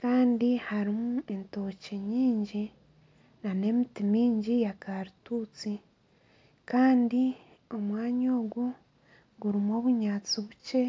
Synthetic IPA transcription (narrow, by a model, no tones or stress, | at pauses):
kaːndihaɾimue̞nto̞ceɲiːɲɟi | nane̞mitimiːɲɟijakaɾutuːt͡si | kaːndi | o̞mwaːɲo̞ːɡo | ɡuɾimo̞ːβuɲaːt͡siβuce̞